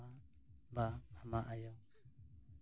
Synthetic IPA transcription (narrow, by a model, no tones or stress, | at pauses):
a | baamaʔajɔ